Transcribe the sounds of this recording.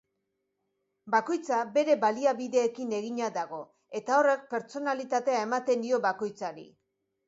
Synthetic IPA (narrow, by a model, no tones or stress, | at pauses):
bako̞jt͡sabe̞ɾe̞βaliaβiðe̞ːkine̞ɣiɲaðaɣo̞ | e̞t̪ao̞re̞k̚pe̞ɾt͡so̞nalit̪at̪e̞ae̞mat̪e̞nd̪io̞βako̞jt͡saɾḭ